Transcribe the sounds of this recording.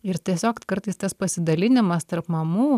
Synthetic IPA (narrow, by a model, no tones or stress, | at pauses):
ɪɾt̪ʲiɛsʲoːkkɐɾt̪ɐɪst̪ɐspɐsʲɪd̪ɐlʲɪnʲɪmɐst̪ɐɾpmɐmuː